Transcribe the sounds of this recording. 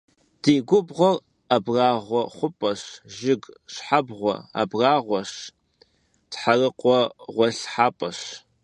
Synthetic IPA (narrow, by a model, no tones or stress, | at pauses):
d̥eːɡʷʊbʁʷɔr | abraːʁʷɔχʷʊpʼɐɕʒɪɡɕħabʁʷɔ̰a̰braːʁʷɔɕ | d̥ħarɨqʷʼɔʁʷɔɬħaːpʼɐɕ